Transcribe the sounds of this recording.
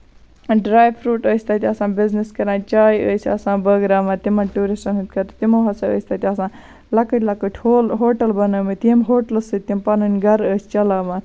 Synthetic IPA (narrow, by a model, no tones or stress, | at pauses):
ɖɾaːjpʰɾuːʈəːsʲt̪aːt̪ʲiɐsãːbizniskɐɾãːnt͡ʃaːjəːsɐsãːbəɡɾaːmaːt̪imɐnʈuːɾisʈɐnɦɨ̃t̪ʲkɐɾt̪t̪imoːɦɐsɐə̰ːsʲt̪at̪ʲɐsãː | lɐkəʈʲlɐkəʈʰʲhoːlɦoːʈɐlbɐnəːmet̪iemɦoːʈɐlsɨt̪impɐnənʲɡʱɐɾəːsʲt͡ʃɐlaːmaːt̪